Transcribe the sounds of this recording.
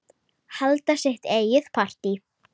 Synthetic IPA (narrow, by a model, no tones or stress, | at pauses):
halt̪asɛht̪eːjɪθpʰar̥t̪i